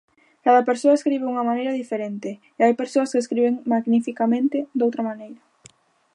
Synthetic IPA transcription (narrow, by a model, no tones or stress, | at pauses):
kaðɐpeɾsoɐeskɾiβ̞ɪuŋɐmanejɾɐðifeɾent̪ɪːajpeɾsoɐskeskɾiβeŋmaɣnifikamẽnt̪ɪd̪owt̪ɾɐmanejɾɐ